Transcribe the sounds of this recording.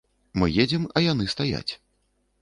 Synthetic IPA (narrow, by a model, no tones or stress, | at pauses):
mɨjed͡zʲɛmɐjan̪ɨst̪aja̰t͡sʲ